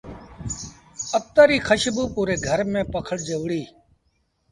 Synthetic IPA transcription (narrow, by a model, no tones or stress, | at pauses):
ət̪əːɾiːkʰəʃbuːpuːɾeːɡʱəɾmẽːpəkʰəɽd͡ʒəʋɽiː